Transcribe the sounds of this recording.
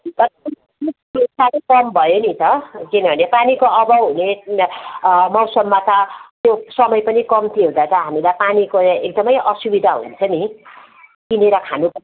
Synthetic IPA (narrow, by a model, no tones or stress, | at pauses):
t̪ʌʌ | ikesaɾʌkʌmbʱʌjonit̪ʌkinʌbʱʌnepanikoʔʌbʌɦune | mʌwsʌmːat̪ʌt̪josʌmʌjpʌnikʌmt̪ʰiɦũd̪at̪ʌɦamilapanikoek̚d̪ʌmʌjʔʌsubid̪ʱaɦṵnt͡sʰʌni | t̪ineɾʌkʰanubʱʌ